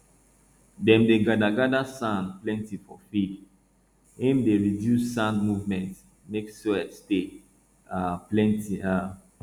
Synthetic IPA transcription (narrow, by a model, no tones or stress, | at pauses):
dɛ̃mdeɡadaɡadasãnplɛ̃ntifɔfid | hẽmdeɹidjusːãndmuvmɛ̃nt | nɛkstwɛste | aplɛ̃ntia